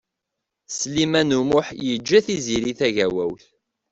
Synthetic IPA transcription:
slimænumʊħjəd͡ʒːæθiziɾiθæʝæwæwθ

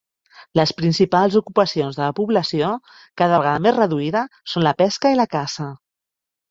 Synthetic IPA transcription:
ləspɾinsipalˠzukupəsionzðələpuβləsio | kaðəβəɣaðəmezrəðuiðəsonləpɛskəiləkazə

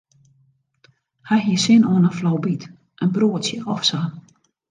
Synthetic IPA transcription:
haɦiəsɪnɔənəflɔwbit | ʔənbruːətsjəʔɔfsaː

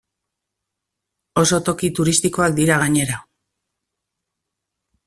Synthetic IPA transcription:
o̞so̞t̪o̞kit̪uɾist̪iko̞ak̚d̪iɾaɣ̞aɲe̞ɾa

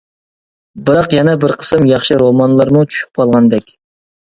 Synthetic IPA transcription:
bɨɾɑqjɛnɛbɪɾqʰə̥sɨmjɑχʃɨɾomɑnlˠɑɾmut͡ʃʰy̥ʃy̥p̚qʰɑlˠʁɑnd̪ɛkʲ

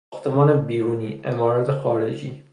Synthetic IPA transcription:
xt̪emɒːnebiːɾuːniːʔemɒːɾæt̪ʰexɒːɾḛd͡ʒḭː

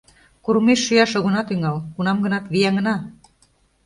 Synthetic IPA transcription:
kuɾmeʃːyjɑʃoɣŏnɑt̪yŋɑlkunɑmɡə̆nɑt̪βijæŋə̆nɑ

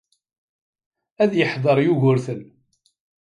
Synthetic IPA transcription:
æðjəħðˤəɾˤjuʝʊɾθən

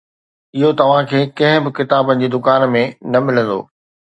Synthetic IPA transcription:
ɪɦot̪ɐʋ̤ãkʰeːkɐ̃ɦɪ̃bɪkɪt̪aːbə̃ɲd͡ʑed̪ʊkaːnmẽnɐmɪlə̃nd̪o̰ː

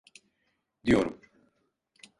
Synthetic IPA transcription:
d̪ijoɾṵm

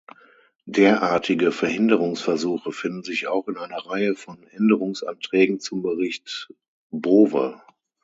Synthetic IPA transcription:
d̥eːɐʔaːɐtʰɪɡəfɛɐhɪndəʁʊŋsfɛɐzuːxəfɪndn̩zɪçaʊxɪnaɪnɐʁaɪəfɔnʔɛndəʁʊŋsʔa̰ntʁ̥ɛːɡŋ̩t͡sʊmbəʁɪçt | boːvə̰

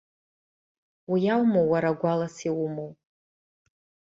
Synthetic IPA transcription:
wijawmowːaɾaɡʷalasiwumow

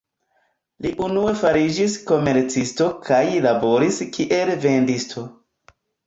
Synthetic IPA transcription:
liʔunue̞faɾid͡ʒisko̞meɾt͡sisto̞kʰajlabo̞ɾiskʰiʔe̞lve̞ndistʰo̞

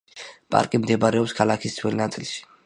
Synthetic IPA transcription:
pʼa̰ɾkʼimd̪ɛbɾɛɔpskʰalˠakʰisd̪sʰwɛlnat̪sʼḭlʃi̥

